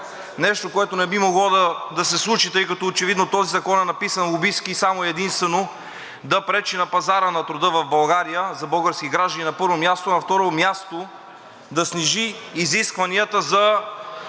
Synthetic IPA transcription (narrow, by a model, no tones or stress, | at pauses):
nɛʃt̪okoɛt̪onɛbimoɡlˠɔd̪ɐd̪ɐsɛslˠut͡ʃit̪ɤjkɐt̪ɔot͡ʃɛvid̪not̪ɔzizɐkɔnɛnɐpisənlˠʊbiskisamoɛd̪inst̪vɛno | d̪ɐpɾɛt͡ʃinɐpɐzaɾənɐt̪ɾʊd̪ɤvɐvbɐlˠɡaɾijəzɐbɤlˠɡəɾsk̟iɡɾaʒd̪ɐninɐpɤɾvomjast̪onɐft̪ɔɾomjast̪o | d̪ɐsniʒiːziskvɐniət̪əzɐ